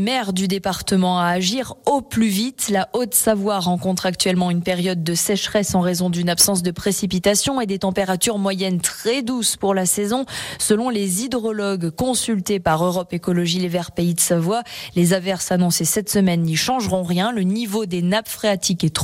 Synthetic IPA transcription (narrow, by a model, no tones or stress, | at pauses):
mɛʁd̪yd̪epaʁt̪əmɑ̃aːʒiʁoplyvit̪laʔot̪savwaʁɑ̃kɔ̃t̪χak̚t̪ɥɛlmɑ̃ynpeʁjɔd̪̚ːəsɛʃχɛsɑ̃ʁezɔ̃d̪ynapsɑ̃s̬d̪əpχesipit̪asjɔ̃ed̪et̪ɑ̃peʁat̪yʁmwajɛnt̪χɛd̪uspuʁlasɛzɔ̃səlɔ̃lezid̪ʁɔlɔɡkɔ̃sylt̪epaʁøʁɔpekɔlɔʒilevɛʁpeid̪əsavwalezavɛʁsanɔ̃sesɛt̪səmɛnːiʃɑ̃ʒʁɔ̃ʁjɛ̃lənivod̪enapfχeat̪ikɛt̪